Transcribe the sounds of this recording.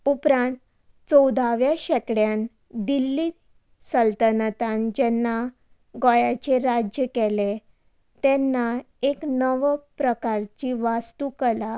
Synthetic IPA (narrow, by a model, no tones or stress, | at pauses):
upɾãnt̪ | t͡sɔwd̪ʱaʋjaɕɛkɽjan | d̪ilːiː | səlt̪ənət̪ãnd͡ʑɛnːa | ɡɔjat͡ɕeɾad͡ʑjəkɛle | t̪ɛnːa | eknəʋpɾəkaɾt͡ɕiʋast̪ukəla